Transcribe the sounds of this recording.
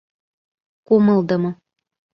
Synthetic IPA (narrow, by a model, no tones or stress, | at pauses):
komɤlˠd̪ɤ̆mɤ̆